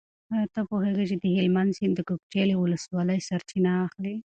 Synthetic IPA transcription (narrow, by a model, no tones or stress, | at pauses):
at̪əpoɦeɡat͡ʃed̪əɦɪlmand̪sɪnd̪əkok̚t͡ʃelewʊləswɑləjsaɾt͡ʃinaːxli